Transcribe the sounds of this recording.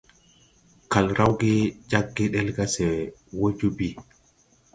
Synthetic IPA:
ka˨lɾa˦wɡe˦d͡ʒa˦ɡːi˦ɗe˦lɡa˦sɛ˨wo˦d͡ʒu˦bi˦

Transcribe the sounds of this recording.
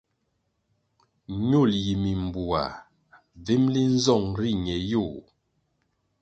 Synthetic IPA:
ɲo˦˨lji˨mi˨m˨bu˨a̰˨ | ve˦mli˦n̩˦zɔ˦˨ŋɾi˦˨ɲɛ˨jo˦˨

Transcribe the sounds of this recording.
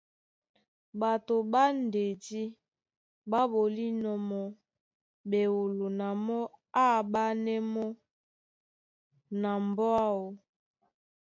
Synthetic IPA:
ba˨to˨ba˦n˨de˨di˦ | ba˦bo˨li˦nɔ˨mɔ˦ | be˨wo˨lo˨na˨mɔ˦a˦˨ba˦nɛ˦mɔ˦ | na˨mbɔ˦a˦wo˨

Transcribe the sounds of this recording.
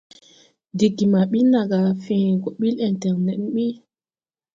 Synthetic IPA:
di˨ɡːi˨ma˨ɓi˦na˨ɡa˨fĩ˨ɡɔ˨ɓi˦lɛ˨ntɛ˨ŋnɛ˨˦ɓi˦

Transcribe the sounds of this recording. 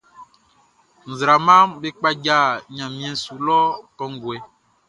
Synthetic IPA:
ŋ̩˨zɾa˨mã˦mbe˦k͡pa˦d͡ʒa˦˨ɲã˨mĩ˨ɛ̃˨su˨lɔ˦kɔ˨ŋ˦ɡu˨ɛ˨˦

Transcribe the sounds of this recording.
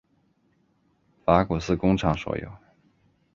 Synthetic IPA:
fa˧˥ku˨˩sɹ̩˥˧kʊ˥ŋʈ͡ʂʰɑ˨˧˥ŋʂwɔ̰˧˥˩jo̰˧˩˦ʊ

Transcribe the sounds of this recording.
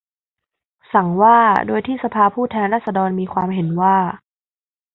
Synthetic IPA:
sa˩˦ŋwaː˥˩doː˧jt̪ʰiː˥˩sa˧pʰaː˧pʰuː˥˩t̪ʰɛː˧nɾaː˥˩t̪̚sa˧dɔː˧nmiː˧kʰwaː˧mɦe˩˦nwaː˥˩

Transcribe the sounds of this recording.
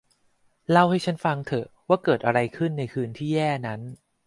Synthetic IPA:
la˥˩wha˥˩jt͡ɕʰa˦˥nfa˧ŋt̪ʰɤ˨˩waː˥˩kɤː˨˩t̪̚ʔa˧ɾa˧jkʰɯ˥˩nːa˧jkʰɯː˧nt̪ʰiː˥˩jɛː˥˩na˦˥n

